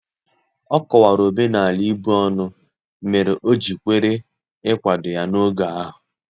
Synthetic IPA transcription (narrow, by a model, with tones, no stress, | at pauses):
ɔ˦kɔ˨wa˨ɾo˨be˦na˨a˨li˦bu˦ɔ˦nʊ˦ | me˨ɾe˨ʔo˦d͡ʒi˨kʷe˦ɾe˦ | ɪ˦kʷa˨dʊ˨ja˦no˦ɡa˨a˦ɦʊ˨